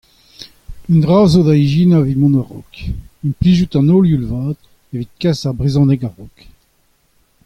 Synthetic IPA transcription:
ynd̪ʁaːzod̪aiʒinavimɔ̃naʁɔ̰kynpliʒyt̪ɑ̃noːljulvaːd̪ | evit̪̚kasaʁbʁizɑ̃nɛkaʁɔk

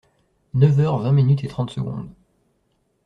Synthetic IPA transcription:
nœvœʁvɛ̃minyt̪et̪χɑ̃t̪səɡɔ̰̃d̪

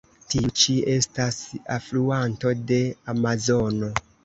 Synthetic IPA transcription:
tiut͡ʃie̞stasafluanto̞de̞amazo̞no̞

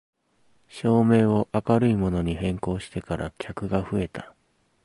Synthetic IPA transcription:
ɕo̞ːme̞ːo̞ʔakaɾɯ̟imo̞no̞ɲ̟iɦẽ̞ŋko̞ːɕi̥t̪e̞kaɾʔa̰kʲakɯ̟ɡaɸɯ̟e̞t̪a

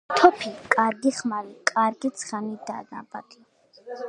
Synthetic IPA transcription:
t̪ʰɔpʰikʼaɾɡiχmalikʼaɾɡit̪sʰχanid̪a̰na̰ba̰d̪i

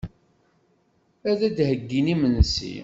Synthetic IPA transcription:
æðæd̪həɡːinimənsḭ

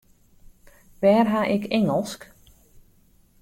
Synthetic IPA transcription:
ʋɛːrɦaʔɪkʰɛŋəlˠsk

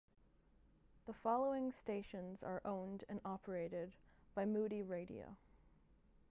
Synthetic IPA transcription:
ðəfɑlˠoʊɪ̃ŋsteɪʃɨ̃nzə˞ʔõʊ̃ndɨ̃nɑpʰə˞eɪɾɪd̚b̥aɪmuɾiɹeɪɾḭo̰ʊ

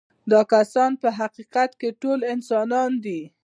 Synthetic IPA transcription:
d̪ɑkasɑnpəɦaqiqat̪keʈolɪnsɑnɑnd̪i

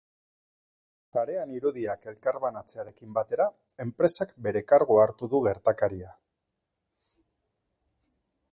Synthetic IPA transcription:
taɾe̞aniɾuðiake̞lkaɾβanat͡se̞aɾe̞kimbat̪e̞ɾa | e̞mpɾe̞sakbe̞ɾe̞kaɾɣoaɾt̪uðuɣe̞ɾt̪akaɾia

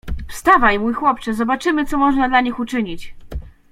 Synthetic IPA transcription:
fst̪avajmujxwɔp̚t͡ʂɘzɔbat͡ʂɘmɘt̪sɔmɔʐnad̪laɲixut͡ʂɘɲit͡ɕ

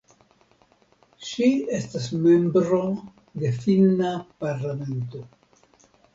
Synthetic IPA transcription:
ʃie̞stasme̞mbɾo̞ | d̪e̞finapaɾlame̞nto̞

